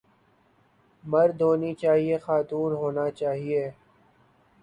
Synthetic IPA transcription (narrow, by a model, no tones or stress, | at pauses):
mɐɾd̪ʱɦoːnit͡ʃaːɦiexaːt̪uːnɦoːnat͡ʃaːɦieː